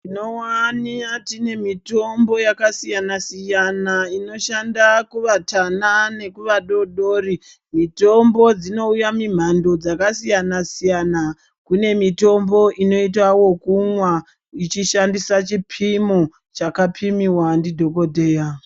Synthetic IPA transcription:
tinowaniatine̞mito̞mbo̞jakasijanasijanaino̞ʃandakuʋatanane̞kuʋaɗo̞ɗo̞ːri | mito̞mbo̞d͡zino̞ujamim̤ando̞d͡zakasijanasijana | kune̞mito̞mboʔino̞it̬wawo̞kumwa | it͡ʃiʃandisat͡ʃipʰimo | t͡ʃakapʰimiwandidʱo̞ko̞deːja

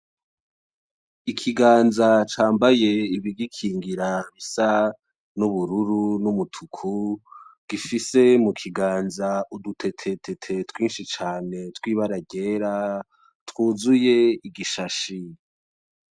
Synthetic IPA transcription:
ikʰiɡaːnzat͡ʃaːmbaje̞iβiɡikʰiːŋɡiɾaβisa | nuβuɾuɾunumutʰukʰuɡ̥ifise̞mukʰiɡaːnzaudutʰe̞tʰe̞tʰetʰe̞twiːnʃit͡ʃaːne̞twiːβaɾaɟe̞ːɾa | twuːzuje̞iɡiʃaʃi

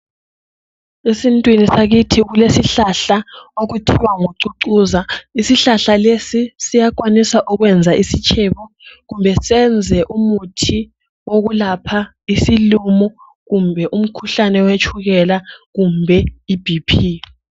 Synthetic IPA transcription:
esintʼwinisaɣitʰiɣulesiɬaɬaoɣutʰiwaŋoǀuǀuːzaisiɬaɬalesisijak̬ʼwanisaʔuɣwɛnd͡zʱaʔisit͡ʃʰʼɛβɔ | ɣumbʱɛsɛnd͡zʱɛʔumutʰi | woɣulapʰa | isilumɔ | ɣumbʱɛʔum̩kʰuɬanɛwet͡ʃʰʼuɣɛlaɣumbʱɛib̥ʱipʰi

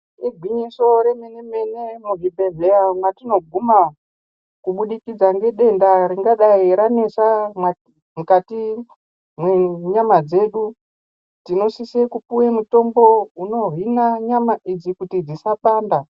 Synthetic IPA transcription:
iɡʱwiɲiso̞remenemenemuɦibʱe̞ɮeamɡatino̞ɡ̚ʱuma | kuɓuɗikid͡zaŋɡe̞ɗe̞ndaɾiŋɡaɗaiɾanesamwa | mukati | mweɲamad͡ze̞ːɗu | tino̞sisekupuwemuto̞mbo̞uno̞ɦinaɲamaʔid͡zikutid͡zisapaːnda

